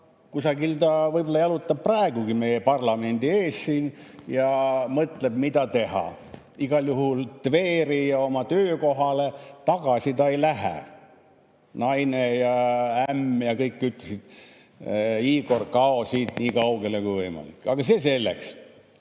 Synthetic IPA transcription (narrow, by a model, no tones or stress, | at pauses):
kusɑɡilt̪ɑvɤjbolːɑjɑlut̪ːˑɑb̚prɑeɡ̥uɡimejepɑrlɑme̞nʲd̪ie̞ːssiːnjɑmɤt̪le̞b̥mid̪ɑt̪e̞hɑ̰ | iɡ̥ɑljuɦult̪ve̞ːɾijɑo̞mɑt̪øːko̞ɦɑle̞t̪ɑɡ̥ɑsit̪ɑejlæɦæ̰ | nɑjnejɑæmːjɑkɤjkːyt̪lesid̪̥ | iːko̞rkɑosiːt̪niːkɑuɡelekujvɤjmɑ̰lḭkːˑɑɡ̥ɑse̞ːse̞lːḛks